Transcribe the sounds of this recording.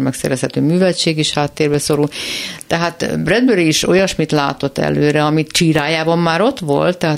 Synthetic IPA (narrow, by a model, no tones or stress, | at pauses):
mɛksɛ̰ɾɛshɛt̪øːmyːvɛlt͡ʃeːɡiʃhaːt̪ːeːrbɛso̞ɾult̪ɛɦaːt̪brɛd̪̚bøɾiːʃo̞jɒʃmit̪la̰ːt̪o̞t̪ːɛ̰løːɾɛɒmit̪t͡ʃiːɾaːjaːbɒmːaːɾo̞t̪ʋo̞lt̪ːɛɦaː